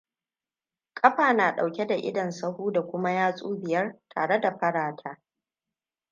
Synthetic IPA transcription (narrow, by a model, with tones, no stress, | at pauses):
kʼɐ˦ɸaː˨naː˨ɗa˨wkʲe˦da˨ʔɪ̰˦dɐ˨nsɐ˦huː˦da˨kʷʊ˦ma˦jaː˦sʼuː˦bɪ˨jɐ˦rtʰa̰ː˨ɽe˦da˨ɸɐ˦ɽaː˨tʰaː˦